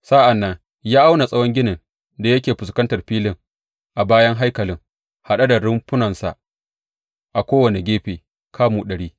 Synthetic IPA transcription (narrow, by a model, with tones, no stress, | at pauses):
sa˦ʔa˨nːɐ˦ŋ | jaː˦ʔa˦wna˨sʼɐ˦wɔ˦ŋɡʲɪ˦nɪ˨n | da˨jɐ˦kʲeː˨ɸʊ˨skɐ˦ntɐ˨rɸiː˦lɪ˦˨ŋ | ʔa˨baː˦jɐ˦ŋɦa˦jkɐ˨lɪ˦ŋ | ha˨ɗa˦da˨ɾʊ˦mɸʊ˦nɐ˨nsa̰˨ʔ | ʔa˨kʷoː˦wɐ˨ne˨ɡʲeː˦ɸeː˨ | kʰaː˦muː˨ɗɐ˨ɽiː˦